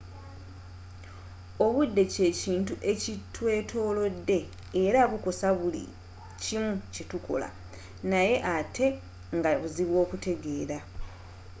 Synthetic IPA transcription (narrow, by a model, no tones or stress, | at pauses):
o̞βudːe̞ce̞ciːntuʔe̞citwe̞ːtʰo̞ːlo̞dːe̞ː | ɾaβuko̞saβulḭ | cimucetukʰo̞̰la̰ | naje̞ʔatʰe̞ | ŋɡaβuziβwo̞ːkute̞ɡe̞ːɾa